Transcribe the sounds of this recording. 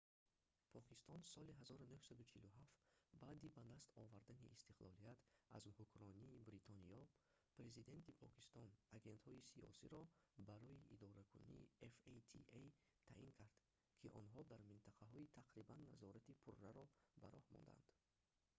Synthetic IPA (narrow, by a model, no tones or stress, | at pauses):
pʰɔkist̪ɔnsɔliɦazɔɾunuhsad̪ut͡ʃʰiluɦaft̪baːd̪ibad̪ast̪ɔvaɾd̪aniʔːst̪iqlɔlijat̪a̰zhukɾɔniːbɾit̪ʰɔniɔ | pɾe̞zid̪e̞nt̪ipʰɔki̥st̪ɔnaɡe̞nt̪hɔisiɔ̰sḭɾɔbaɾɔiʔid̪ɔɾakʰṵnḭefet̪ʰḭej | t̪ʰa̰ʔiŋkʰaɾd̪̥ | kʰiʔɔnɦɔd̪aɾmint̪ʰaqʰaɦɔit̪ʰaqɾibanːazɔɾat̪ipʰurːaɾɔbaɾɔhmɔ̰nd̪a̰nd̪̥